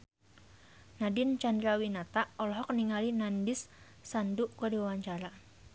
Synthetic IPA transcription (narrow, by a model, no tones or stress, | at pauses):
nadɪnt͡ʃandɾawinat̪aɔlɔɦɔk̚niŋalinandɪsː | anduʔkadiwawaɲt͡ʃaɾa